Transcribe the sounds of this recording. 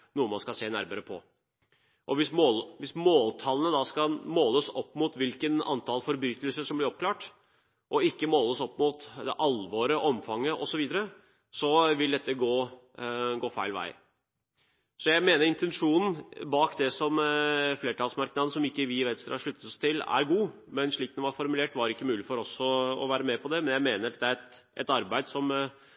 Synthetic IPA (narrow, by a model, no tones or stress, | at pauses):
nuːəmɑnskɑseːnæɾməɾəpʰɔ̰ | ʔɔʋɪsmolʋɪsmoːlt̪ʰɑlənəd̪ɑskɑlmoːləsɔpːmʊt̪ʋɪlkənɑ̰nt̪ʰɑlfɔɾbɾyːt̪əlsəʂɔmblɪɾɔp̚kʰlɑːʈ | ʔɔɪkːəmoːləsɔpːmʊt̪d̪ɛʔɑlʋoːɾəʔɔmfɑŋːəʔɔsɔʋiːd̪əɾə | sɔʋɪld̪ɛt̪ːəɡoː | ɡoːfæ̰ɪlʋæ̰ɪ | sɔjæɪmeːnəɾɪnt̪ʰɛnʂuːnn̩bɑːkd̪ɛsɔmfleːʈʰɑːlsmɑɾknɑd̪n̩sɔmɪkːəʋɪʋet̪st̪ːɾɑʂɭʉt̪ːət̪ɔst̪ʰɪlæ̰ɾɡuː | mɛnʂɭiːkd̪ɛʋɑɾfɔɾmʉleːʈʋɑɾɪkːəmʉːlɪfɔɾɔsɔɔ̰ʋæːɾəmɛpʰɔd̪ɛmɛnjæɪmeːnəɾd̪ɛæɾɛt̪ʔɛ̰t̪ɑɾbæɪd̪sɔm